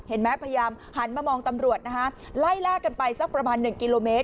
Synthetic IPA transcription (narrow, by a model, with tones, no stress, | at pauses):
he˩˦nmɛ˦˥pʰa˧ja˧jaː˧m | ha˩˦nmaː˧mɔː˧ŋt̪a˧mɾu˨˩ət̪̚na˦˥kʰa˦˥ | la˥˩jlaː˥˩ka˧npa˧jsa˦˥k̚pɾa˧maː˧nːɯ˨˩ŋki˧loː˧meː˦˥t̪̚